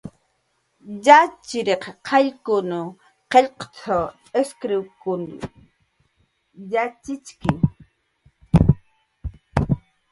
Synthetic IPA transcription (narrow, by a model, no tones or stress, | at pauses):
jat͡ʃɪɾeqqʰɑʎkʊnʊ | qeʎqt͡sʰa | eskɾɪwkʊn̰ | jat͡ʃɪt͡ʃkɪŋ